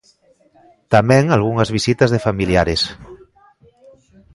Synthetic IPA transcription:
t̪amɛ̃ŋalɣuŋazβisit̪azðefamiljaɾes

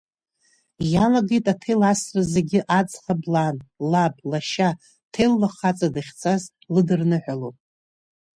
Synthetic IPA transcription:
jalaɡejtʼatʰelasrɨzeɡʲɪʔad͡zχablanlablaʃa | tʰelːaχat͡sʼadɨχʲt͡sʰaz | lɨdɨrnɨħʷᶣalowpʼ

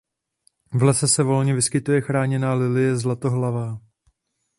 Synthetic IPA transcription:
vlɛsɛsɛvo̞lɲɛvɪskɪt̪ujɛxɾaːɲɛnaːlɪlɪjɛzlat̪o̞ɦlavaː

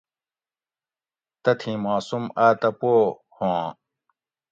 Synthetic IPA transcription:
t̪ɐt̪ʰĩmaːsumaːt̪ɐpoː | hõː

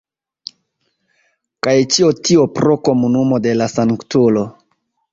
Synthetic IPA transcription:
kajt͡ʃiotiopɾo̞ko̞munumo̞de̞lasaŋktulo̞

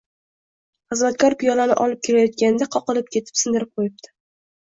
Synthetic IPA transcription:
χɨzmat̪kʰʲɒɾpʰɪjɒlanɪ̰ʔɒlɪp̚kʲʰe̞ɾajɒt̪̚kʲanɪd̪aqʰɒqɨlˠɪp̚kʲe̞t̪ʰɪ̥psɪnd̪ɪɾɪp̚qʰojɪp̚d̪̥ɪ̥

